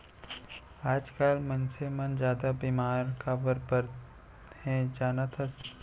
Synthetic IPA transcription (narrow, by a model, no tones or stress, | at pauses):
aːd͡ʒkaːlmɐnsemɐnd͡ʒaːd̪abiːmaːɾkabəɾpəɾ | hɛ̃d͡ʒaːnat̪ʰəs